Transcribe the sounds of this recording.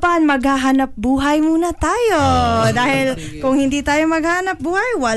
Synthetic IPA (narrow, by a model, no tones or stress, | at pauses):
panmɐɡhaɦanɐp̚buːɦɐjmuːnɐt̪aːjod̪aːhɪl | kʊŋhɪnd̪iːt̪aːjomɐɡ̚haːhanɐp̚buːhajwɐ